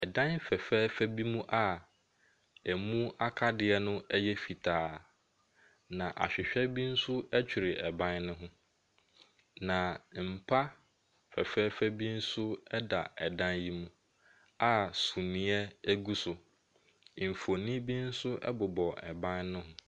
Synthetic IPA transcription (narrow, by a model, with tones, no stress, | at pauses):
ɛ˨dã˦nfɛ˨fɛː˦fæ˦bi˦mũ˦ʔa˦ | ɛ˨mũ˦a˦kʰa˦dɪ˨ɛ˦nʊ̃˦ɛ˦jɛ˦fi˨tʰaː˨ | nã˨ʔa̰˨ɕᶣɪ˨ɕᶣɛ˦bi˦n̩˦sʊ˦ɛ˦t͡ɕʰᶣi˨ɾɪ˨ɛ˨bã˦nnʊ̃˦ɦʊ̃˦ | nã˨m̩˨pʰa˦ | fɛ̰˨fɛː˦fɛ˦bi˦n̩˦sʊ˦ɛ˦da̰˨ɛ˨dã˦nji˦mũ˦ | a˦sũ˨mĩ˦ɛ˦æ˦ɡu˦sʊ˨ | m̩˨fo˨nĩ˦bi˦n̩˦sʊ˦ʔɛ̰˦bʊ˨bɔ˨ɛ̰˨bã˦nnʊ̃˦ɦʊ̃˦